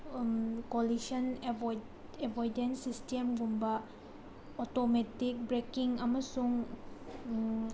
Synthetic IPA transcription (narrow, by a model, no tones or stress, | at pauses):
kolisɐn | ebʱojdensistemɡumbɐ | otometik̚bɾekiŋɐmɐsuŋ